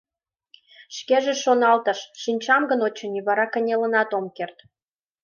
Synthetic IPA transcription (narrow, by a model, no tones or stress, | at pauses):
ʃkeʒĕʃonɑlt̪əʃʃinʲt͡ɕɑmɡənot͡ɕə̆niβɑɾɑkə̆nʲelə̆nɑt̪omkert̪